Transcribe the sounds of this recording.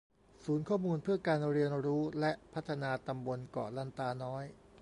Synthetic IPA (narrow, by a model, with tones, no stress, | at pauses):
suː˩˦nkʰɔː˥˩muː˧npʰɯ˥˩ɐkaː˧nɾi˧ənɾuː˦˥lɛ˦˥ʔpʰa˦˥t̪ʰːa˧naː˧t̪a˧mbo˧nkɔ̰ː˨˩la˦˥˩nt̪aː˧nɔː˦˥j